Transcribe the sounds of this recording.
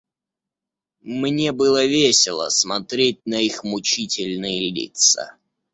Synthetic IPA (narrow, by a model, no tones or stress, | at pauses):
mnʲebɨlˠəvʲesʲɪlˠə̰smɐt̪ɾʲet̚ʲnəixmʊt͡ɕitʲɪlʲnɨjəlʲḭt̪sə̰